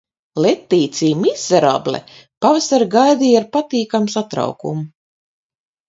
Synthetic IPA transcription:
let̪ːiːt̪siːmizːɛɾa̰blɛ̰pavasaɾɡajd̪iːaɾpat̪iːkamsat̪ɾa̰wkṵmu

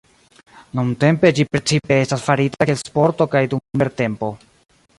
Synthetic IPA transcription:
nuŋte̞mpe̞d͡ʒipɾe̞t͡sipe̞e̞stasfaɾitaelspo̞ɾto̞kajdummeɾte̞mpo̞

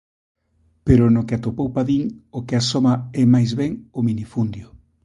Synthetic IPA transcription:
peɾʊnʊkeat̪opowpaðiŋokɪasomaɛmajzβɛŋominifund̪jʊ

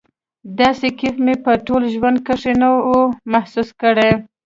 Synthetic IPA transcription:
d̪ɑsekifmepəʈolʒwand̪̚kəʂenaomahsuskəɽe

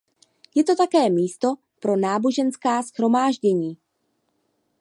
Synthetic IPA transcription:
jɛt̪o̞t̪akɛːmiːst̪o̞ | pɾo̞naːbo̞ʒɛnskaːsxɾo̞maːʒɟɛɲiː

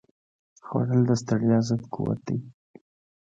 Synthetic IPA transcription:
xwa̰ɽəld̪əst̪aɽjɑzəd̪kʰuwa̰t̪̚d̪ij

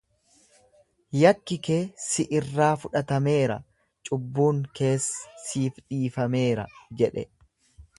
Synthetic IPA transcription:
jɐkːɪkeːsɪʔɪrːaːfʊᶑɐt̪ɐme̞ːɾɐ̰ | t͡ʃʼʊbːuːŋke̞ːssiːfᶑiːfɐme̞ːɾɐ̰d͡ʒɛᶑɛ̰

